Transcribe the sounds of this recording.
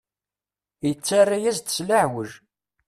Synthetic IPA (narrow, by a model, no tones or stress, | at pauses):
jət͡sːarˤːajæzt̪ə̥slaʕwəʒ